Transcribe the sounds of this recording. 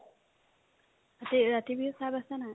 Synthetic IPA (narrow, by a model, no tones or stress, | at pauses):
at̪iɹat̪ibʱisabasana